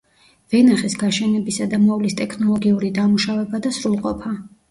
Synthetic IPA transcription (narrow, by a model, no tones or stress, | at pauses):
v̥ɛnaχɛsɡaʃɛnɛbisad̪amɔvlist̪ʼɛkʰnɔlˠɔɡiuɾid̪amuʃavɛbad̪asɾulˠqʼɔpʰa